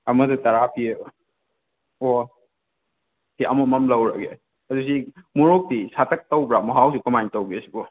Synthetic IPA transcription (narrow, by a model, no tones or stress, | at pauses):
ɐmɐdɐtɐɾapʰie | o | kiʔɐmumɐmlɐwɾaɡḛ | ɐdusimuɾok̚disatʰɐk̚tɐwbɾamɔɦawsikɔmajntɐwɡesibɔ